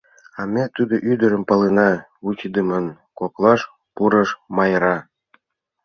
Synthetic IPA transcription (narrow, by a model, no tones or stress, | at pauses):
ɑmʲet̪ud̪oʔyd̪ə̆ɾə̆mpɑlenɑ | ut͡ɕid̪əmən | koklˠɑʃ | puɾɤ̆ʃmɑjɾɑ